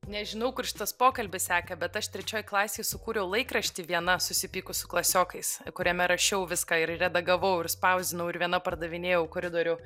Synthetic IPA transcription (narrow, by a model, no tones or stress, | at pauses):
nʲɛʒʲɪnɐʊkʊrʃʲɪ̥t̪ɐspoːkɐlʲbʲɪssʲæːkɐbʲɛt̪ɐʃt̪ʲɾʲɛt͡ʃʲoːjklˠɑːsʲeːjsʊkuːɾʲɛʊlˠɐɪkɾɐʃʲt̪ʲiʋʲiɛnɐsʊsʲɪpʲiːkʊsʊ̥klˠɐsʲoːkɐɪskʊɾʲɛmʲɛɾɐʃʲɛʊʋʲɪskɑːɪɾrʲɛd̪ɐɡɐʋoːjʊɪɾspɐʊzʲd̪ʲɪnɐʊɪɾʋʲiɛnɐpɐrd̪ɐʋʲɪnʲeːjɛʊkoːɾʲɪd̪oːɾʲʊ